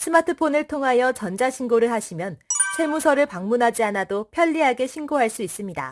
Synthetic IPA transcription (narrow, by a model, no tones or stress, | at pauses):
sʰɯmatʰɯpʰonɯɭtʰoŋɦajʌt͡ɕʌnd͡ʑaɕʰinɡoɾɯɭhaɕʰimjʌnt͡ɕʰwe̞musʰʌɾɯɭpaŋmunɦad͡ʑianadopʰjʌʎːiɦaɡe̞ɕʰinɡoɦaɭs͈uis͈ɯmɲida̰